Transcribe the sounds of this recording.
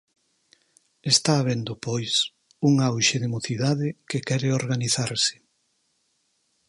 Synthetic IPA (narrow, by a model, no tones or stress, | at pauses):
est̪aːβ̞end̪opojs | uŋawʃeðemoθiðaðɪkekɛɾeoɾɣaniθaɾsɪ̥